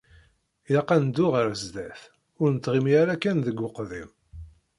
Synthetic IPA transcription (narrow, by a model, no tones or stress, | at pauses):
jɑqːænd̪ʊʁəɾzd̪æθ | ʊɾnət̪ːʁimiæɾækːænðəɡʷːʊqðim